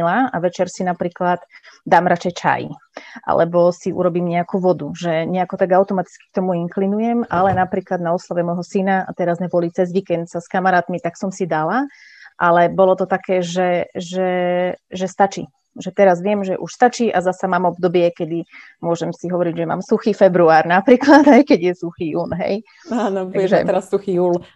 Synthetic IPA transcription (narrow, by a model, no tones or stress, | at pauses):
laaʋɛt͡ʃɛɾsinapɾiːklad̪d̪aːmɾat͡ʃɛjt͡ʃa̰j̰ʔa̰lɛ̰bɔsiʔṵɾɔbiːmɲɛakuʋɔd̪uʒɛɲɛakɔt̪aɡaʊt̪ɔmat̪i̥t͡ski̥k̚t̪ɔmuiŋklinujɛmalɛnapɾiːklad̪naɔslaʋɛmɔjɦɔsinaa̰t̪ɛɾazmɛbɔlit͡sɛzʋiːkɛnt̪saskamaɾaːt̪mit̪aksɔmsid̪ala | ʔalɛbɔlɔt̪ɔt̪akɛːʒɛʒɛʒɛst̪at͡ʃiː | ʒɛt̪ɛɾazʋɪɛmʒɛ̰ʔuʃst̪at͡ʃiːʔazasamaːmɔbd̪ɔbɪɛkɛd̪i | mʊɔʒɛmsiɦɔʋɔɾiɟʒɛma̰ːmsuxiːfɛbɾuaːɾnapɾiːklad̪ɦɛjkɛɟjɛsuxiːjuːnɦɛ̰j | aːnɔbauʒɛ̰t̪ɛɾassuxijuːl